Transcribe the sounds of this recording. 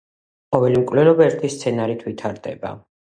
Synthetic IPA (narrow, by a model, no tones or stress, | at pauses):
qɔvɛlimkʼvlɛlɔbaɛɾt̪ʰist̪sʰɛnaɾit̪ʰvit̪ʰaɾd̪ɛ̰ba̰